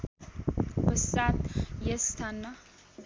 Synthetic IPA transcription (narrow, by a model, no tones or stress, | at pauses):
bəsat̪jɛst̪ʰanːa